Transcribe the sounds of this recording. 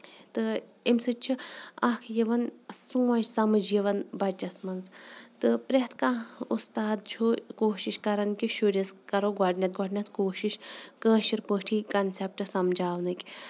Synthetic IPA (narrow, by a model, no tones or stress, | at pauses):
t̪ɨemsɨt͡ʃʰiɐkʰjiʋɐnsũːɐt͡ʃsɐmɨd͡ʒiʋɐnbɐt͡ʃːɐsmɐnzt̪ɨpɾeɦt̪ʰkãust̪aːd̪̚t͡ʃʰokoːʃiʃkɐɾɐnkʲiʃuɾʲiskɐɾoɡɔʈnʲɐt̪̚ɡoʈnʲɐt̪ʰkoːʃiʃkəːʃiɾpəʈʰiːkɐnsep̚ʈɨsɐmd͡ʒaːʋnɨkʲ